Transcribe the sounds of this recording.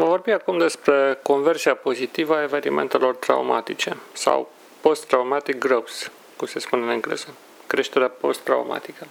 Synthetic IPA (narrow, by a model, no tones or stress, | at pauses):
vəvo̞rbiakumd̪e̞spɾe̞ko̞nve̞rsiapo̞zit̪ivəae̞ve̞nime̞̰nt̪e̞lo̞rt̪ɾa̰uma̰t̪it͡ʃe̞sa̰w | po̞st̪ːɾaumat̪ik̚ɡrows | kumse̞spuneneŋɡlḛzə | kɾe̞ʃt̪e̞ɾeapo̞st̪ːɾa̰uma̰t̪ikə